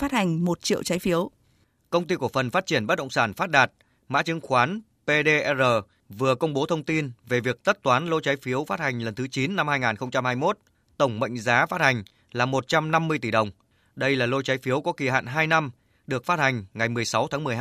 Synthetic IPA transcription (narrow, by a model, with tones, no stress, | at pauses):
faː˦˥t̚ha˨˩ŋ̟mo˨˩t̚t͡ɕḭ˧˨əwt͡ɕa˨˦jfi˨˦əw | kə˧wŋ͡mt̪i˧ku˧˩əfə˨˩nfaː˦˥t̚t͡ɕi˧˩ənɓə˦˥t̚ɗə̰˧˨wŋ͡msaː˧˩nfaː˦˥t̚ɗaː˨˩t̚ | ma̰ː˧˥t͡ɕɨ˨˦ŋxwaː˨˦n | pe˧ɗe˧ʔɛ˧zəː˨˩ | vɨ˨˩əkə˧wŋ͡mɓo˨˦t̪ʰə˧wŋ͡mt̪i˧nve˨˩vi˨˩ək̚t̪ə˦˥t̚t̪waː˨˦nlo˧jt͡ɕaː˨˦jfi˨˦əwfaː˦˥t̚ha˨˩jŋ̟lə˨˩nt̪ʰɨ˨˦t͡ɕi˨˦nːa˧mhaː˧jŋaː˨˩nxə˧wŋ͡mt͡ɕa˧mhaː˧jmo˦˥t̚ | t̪ə˧˩wŋ͡mmə̰˧˨jŋ̟zaː˨˦faː˦˥t̚ha˨˩ŋ̟ | laː˨˩mo˨˩t̚t͡ɕa˧mna˧mːɨ˧əjt̪i˧˩ɗə˨˩wŋ͡m | ɗə˧jlaː˨˩lo˧jt͡ɕa˨˦jfi˨˦əwkɔ˨˦ki˧˨˩ɦa̰ː˧˨nɦaː˧jna˧m | ɗɨ˨˩ək̚faː˦˥t̚ha˨˩ŋ̟ŋa˨˩jmɨ˨˩əjsa˨˦wt̪ʰaː˨˦mɨ˨˩əh